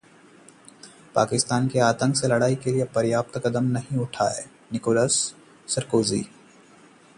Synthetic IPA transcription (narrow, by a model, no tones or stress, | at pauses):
pa̰ːkɪst̪aːnkeaːt̪ə̃ŋkselɐɽaːikeliepɐɾjaːp̚t̪kɐd̪əmnɐɦĩʊʈʰa̰ːḛː | nɪkoːləsː | ɐɾkoːzḭː